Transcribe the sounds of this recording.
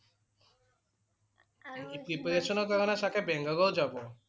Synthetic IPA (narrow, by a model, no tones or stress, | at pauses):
ipɾipɾeʃonokaɾonaʃakʰebeŋɡaɡowd͡ʒabo